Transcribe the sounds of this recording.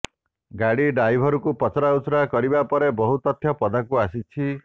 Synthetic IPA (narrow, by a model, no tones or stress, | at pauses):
ɡaɽiɖajbʱɔɾukupɔt͡ʃɾausɾakɔɾibapɔɾebɔɦut̪ɔt̪ʰːjɔpɔd̪akuasit͡ʃʰi